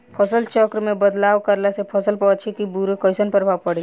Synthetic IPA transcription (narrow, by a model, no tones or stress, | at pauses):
pʰəsəlt͡ʃɔkɾmẽbəd̪laːʋkəɾlasepʰəsəlpɔt͡ʃʰikibuɾekɔɪsənpɾəbʱaːʋpəɽe